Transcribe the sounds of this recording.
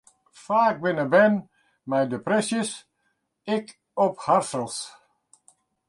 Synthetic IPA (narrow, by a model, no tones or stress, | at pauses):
faːk̚bɪnəbɛn | mɛjdəprɛsjəs | ɪk | ɔpharsəlˠs